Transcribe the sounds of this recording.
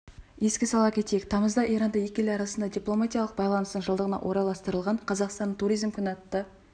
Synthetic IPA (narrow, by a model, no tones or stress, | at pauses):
e̞skʲɪsɑlˠɑkʲʰe̞t̪ejekt̪ʰɑməzd̪ɑʔijɾɑnd̪ɑje̞kʲe̞lɑɾɑsənd̪ɑd̪ʲijplˠo̞mat̪ʲijalˠəq̚bɑjlˠɑnəst̪əɴʒəlˠd̪əʁənɑ̰wʔo̞ɾɑlˠɑst̪əɾəlˠʁɑɴqʰɑzɑqst̪ɑnːət̪ʰuɾijzmkʲʰʏnɑt̪ːə